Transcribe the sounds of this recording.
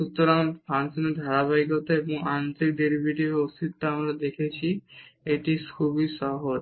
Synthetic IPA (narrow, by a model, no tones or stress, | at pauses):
ʃuk̚t̪ːoɾanpʰansoned̪ʱaɾaβaikot̪oeboŋant̪ik̚ɖeɾibʱiʈibeosit̪toamɾad̪ekʰet͡ɕʰieʈikʰubiʃɔɦod͡ʑ